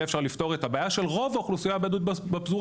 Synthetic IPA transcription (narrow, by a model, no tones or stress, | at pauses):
efʃaʁlift̪o̞ʁet̪abaːjaʃe̞lʁo̞vaoχlusijabed̪ut̪̚bepzuʁ